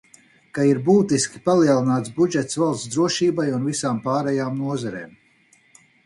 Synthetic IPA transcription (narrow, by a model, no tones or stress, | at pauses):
kaiɾbuːt̪iskʲi̥palˠiɛlˠinaːt̪sbud͡ʒɛt̪svalˠsd̪ɾuɔʃiːbajunvisaːmpaːɾɛjaːmnuɔzaɾḛːm